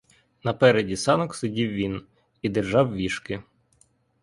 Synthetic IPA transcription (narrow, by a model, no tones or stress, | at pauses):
nɐpɛɾedʲisɑnɔksʊdʲiwʋʲin | id̪erʒɑwʋʲiʃkɪ